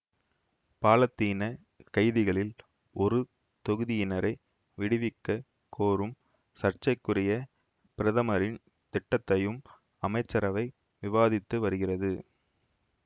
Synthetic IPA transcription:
paːlɐt̪ːiːnɐ | kɐɪðɪɣɐɭɪl | ʔɔɾɯ | t̪ɔɣɯðɪjɪnɐɾɐɪ | ʋɪɽɪʋɪkːɐ | kʰoːɾɯm | sɐɾt͡ʃɐɪkːɯrɪjɐ | pɪɾɐðɐmɐɾɪn | t̪ɪʈːɐt̪ːɐjɯm | ɐmɐɪt͡ʃːɐɾɐʋɐɪ | ʋɪʋaːðɪt̪ːɯʋɐɾɯɣɪrɐðɯ

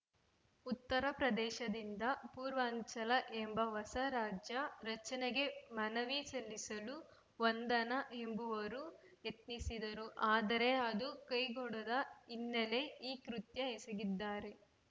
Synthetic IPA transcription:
ut̪ːɐɾɐpɾɐd̪ɛːʃɐd̪ind̪ɐpuːɾʋɐːɲt͡ʃɐlɐʔembɐʋɐsɐɾaːd͡ʒjɐɾɐt͡ʃɐneɡe̞mɐnɐʋisɐlːisɐlu | ʋɐnd̪ɐnɐe̞mbuʋɐɾu | jet̪nisid̪ɐɾuʔaːd̪ɐɾe̞ɐd̪ukɐjɡɔɽɐd̪ɐinːele̞iːkɾut̪jɐeseɡid̪ːaːɾe̞

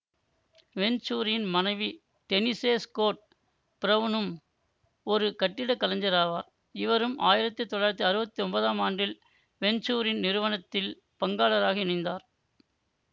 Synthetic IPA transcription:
ʋɛɲt͡ʃuːɾɪnmɐnɐɪʋi | t̪ɛniseːskoːʈ̚ | pɪɾɐʋɯnɯm | ɔɾɯkɐʈːɪɽɐkːɐlɐɲd͡ʒɐɾaːʋaːɾ | ɪʋɐɾɯmʔaːjɪɾɐt̪ːɯt̪ːɔɭaːɾɐt̪̬ːɯɐɾɯbɐt̪ːiɔmbɐðaːmaːɳɖɪl | ʋɛɲt͡ʃuːɾɪnnɪɾɯʋɐnɐt̪ːɪl | pɐŋɡaːlɐɾaːɣɐɪnɪnd̪aːɾ

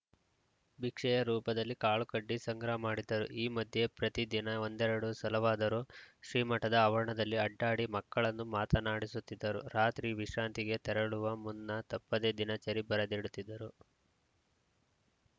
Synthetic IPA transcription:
bikʂɛjɐɾuːpɐd̪ɐlːikaːɭukɐɖːisɐŋɡɾɐɐmaːɽid̪ɐɾuʔiːmɐd̪ʱje̞pɾɐt̪id̪inɐo̞nd̪ɛɾɐɽusɐlɐʋaːd̪ɐɾuʃɾiːmɐʈːɐd̪ɐːʋɐɾɐɳɐd̪ɐlːiɐɖːaːɽimɐkːɐɭɐnːumaːt̪ɐnaːɽisut̪ːid̪ːɐɾuɾaːt̪ɾiʋiʃɾaːnt̪iɡe̞t̪ɛɾɐɭuʋɐmunːɐt̪ɐpːɐd̪e̞ːd̪inɐt͡ʃɐɾibɐɾɐd̪iɽut̪ːid̪ːɐɾu

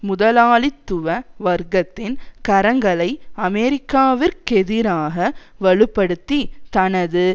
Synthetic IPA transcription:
mʊðɐlaːɭɪt̪ːɯʋɐʋɐɾɡɐt̪ːɪnkɐɾɐŋɡɐɭɐɪɐmɛɾɪkːaːʋɪɾkɛðɪɾaːɣɐʋɐɭɯpːɐɽɯt̪ːit̪ɐnɐðɯ

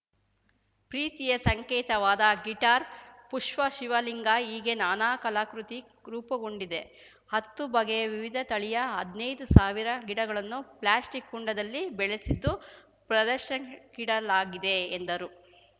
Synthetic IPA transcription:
pɾiːt̪ijɐsɐŋkɛːt̪ɐʋaːd̪ɐɡiʈaːɾpuʂʋɐʃiʋɐliŋɡaiːɡe̞naːnaːkɐlaːkɾut̪i | ɾuːpɐɡo̞ɳɖid̪e̞ | hɐt̪ːubɐɡeʋiʋid̪ʱɐt̪ɐɭijɐɐd̪nɐjd̪usaːʋiɾɐɡiɽɐɡɐɭɐnːuplaːsʈikːuɳɖɐd̪ɐlːibɛɭesid̪ːu | pɾɐd̪ɐɾʃɐkiɽɐlaːɡid̪e̞ːnd̪ɐɾu

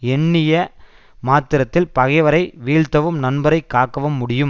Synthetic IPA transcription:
ɛɳːɪjɐ | maːt̪ːɪɾɐt̪ːɪlpɐɣɐɪʋɐɾɐɪʋiːɻt̪ɐʋɯmnɐnbɐɾɐɪkːaːkːɐʋɐmːʊɽɪjɯm

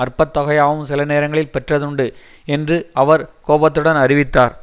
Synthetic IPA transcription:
ɐɾpɐt̪ːɐɣɐjaːʋɯmsɪlɐneːɾɐŋɡɐɭɪlpɛʈrɐðɯɳɖɯ | ɛndrɯɐʋɐɾkoːbɐt̪ːɯɽɐnɐɾɪʋɪt̪ːaːɾ

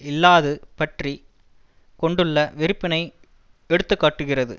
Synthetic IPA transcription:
ɪlːaːðɯpɐʈri | kɔɳɖɯɭːɐʋɪɾɯpːɪnɐɪ | ɛɽɯt̪ːɯkːaːʈːɯɣɪrɐðɯ̰

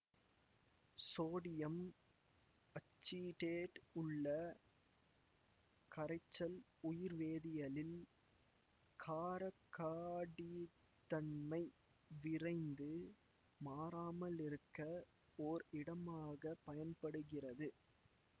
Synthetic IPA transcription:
soːɽɪjɐm | ɐt͡ʃːiʈeːʈʊɭːɐ | kɐɾɐɪt͡ʃːɐlʊjɪɾʋeːðɪjɐlɪl | kʰaːɾɐkːaːɽi | t̪ːɐɳmɐɪ | ʋɪrɐɪnd̪ɯ | maːɾaːmɐlɪɾɯkːɐ | oɾɪɽɐmaːɣɐpɐjɐnpɐɽɯɣɪrɐðɯ

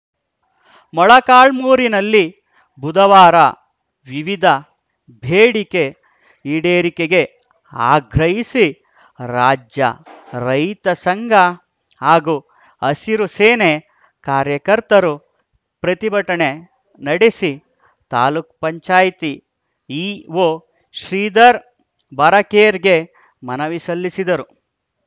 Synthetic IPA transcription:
mɔɭɐkaːɭmuːɾinɐlːi | bud̪ɐʋaːɾɐ | ʋiʋid̪ʱɐ | bʱeːɽike | iɽeːɾikeɡe̞ | a̰ːɡɾɐɦisi | ɾaːd͡ʒjɐ̰ɾɐjt̪ɐsɐŋɡʱɐ | haːɡu | ɐsiɾuseːne | kaːɾjɐkɐɾt̪ɐɾu | pɾɐt̪ibʱɐʈɐɳe | nɐɽesi | t̪aːluk̚pɐɲt͡ʃaːjt̪i | iːʋoː | ʃɾiːd̪ɐɾ | bɐɾɐkeːɾɡe̞ | mɐnɐʋisɐlːisid̪ɐɾu

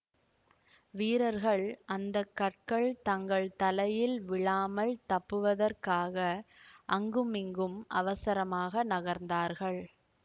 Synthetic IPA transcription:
ʋiːɾɐɾɣɐɭʔɐnd̪ɐkːɐʈ̚kɐɭt̪ɐŋɡɐɭt̪ɐlɐjɪlʋɪɭaːmɐlt̪ɐpːɯʋɐðɐrkaːɣɐʔɐŋɡɯmɪŋɡɯmʔɐʋɐsɐɾɐmaːɣɐnɐɣɐɾnd̪aːɾɣɐɭ

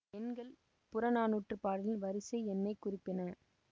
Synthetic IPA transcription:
ɛnɡɐɭ | pʊɾɐnaːnuːʈrɯpaːɽɪlɪnʋɐɾɪsɐɪɛnːɐɪkːʊrɪpːɪnɐ

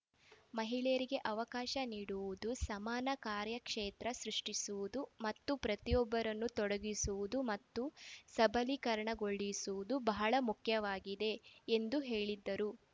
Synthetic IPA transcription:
mɐɦiɭɛjɐɾiɡe̞ʔɐʋɐkaːʃɐniːɽuʋud̪usɐmaːnɐkaːɾjɐkʂeːt̪ɾɐsɾuʂʈisuʋud̪umɐt̪ːupɾɐt̪ijɔbːɐɾɐnːut̪ɔɽɐɡisuʋud̪umɐt̪ːusɐbʱɐlikɐɾɐɳɐɡoɭːisuʋud̪ubɐɦɐɭɐmukʰjɐʋaːɡid̪e̞ːnd̪uɦe̞ːɭid̪ːɐɾu

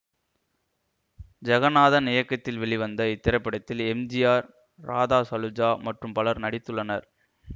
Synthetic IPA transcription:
d͡ʒɐɣɐnaːðɐnɪjɐkːɐt̪ːɪlʋɛɭɪʋɐnd̪ɐɪt̪ːɪɾɐɪpːɐɽɐt̪ːɪlɛmd͡ʒɪjaːɾː | aːðaːsɐlɯd͡ʒaːmɐʈrɯmpɐlɐɾnɐɽɪt̪ːɯɭːɐnɐɾ

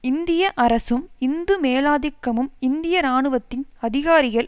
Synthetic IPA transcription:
ɪnd̪ɪjɐʔɐɾɐsɯmɪnd̪ɯmeːlaːðɪkːɐmɯmɪnd̪ɪjɐɾaːɳɯʋɐt̪ːɪnɐðɪɣaːɾɪɣɐɭ

